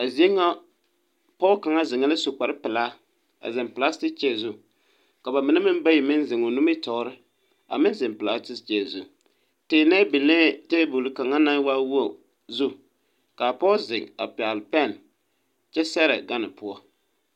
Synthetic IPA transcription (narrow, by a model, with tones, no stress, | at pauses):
a˨zi˨˦e˦ŋa˦ | pɔ˦ka˨ŋa˦zɪ˨ŋa˦lɪ˦sʊ˨k͡pa˨ɾɪ˦pɪ˨laː˦ | a̰˨zɪ˨mpla˦stɪ˦k̚t͡ʃɛ˦˨zu˦ | ka˨ba˨mɪ˨na˦mɪ˦n˦ba˦ji˨mɪ˦nzɪ˨ŋo˨nu˦mɪ˦tɔ˨˦ɾɪ˦ | a̰˨mɪ˦nzɪ˨mpɪ˨la˦stɪ˦st͡ʃɛ˦˨zṵ˦ | teː˨nɛ˦bɪ˨leː˦te˦bu˨lka˨ŋa˦na˦wa˦wu˦a˨ | zu˦ | ka˨pɔ˦zɪ̰˨ŋa̰˨pɪ˨a˨lpɛ˦˨n | t͡ʃɛ˦sɛ˦ɾɛ̰˨ɡa˦nɪ̰˨pʊ˦ɔ˦